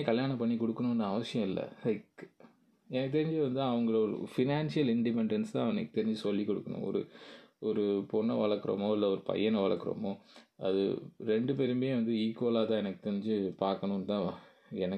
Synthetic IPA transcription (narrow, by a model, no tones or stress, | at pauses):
kɐljaːɳɐpɐɳːikɔɽɯkːɐnʊ̃ɐnːɐːʋɐsɪjɐ̃mɪlːɐ̰lɐɪk | ɛnɐkːɯt̪ɛɾɪɲd͡ʒɯʋɐnd̪t̪ãːɐʋɐŋɡɐɭoɾ̰fɪnaːnʂɪjɐlɪɳɖɪpɛɳɖɛnst̪ãːɐʋɐnɐ̰kːɯ̥t̪ːɛɾɪɲd͡ʒɯsɔlːikːɔɽɯkːɐnʊ̰̃ɔ̰ɾɯ̰ɔɾɯpɔnːɐʋɐɭɐɾkːɯɾo̰moːɪlːɐɔɾɯpɐ̰jːɐnɐʋɐɭɐ̰kːɯɾo̰moːɐ̰ðɯ̰ɾɛɳɖɯp̬ɛɾɯmbjẽːʋɐnd̪ɯiːkoːlaːt̪ãːɛnɐkːɯ̥t̪ɛɾɪɲd͡ʒɯpaːɾkɐɳʊ̃nt̪ãː | ɛnɐk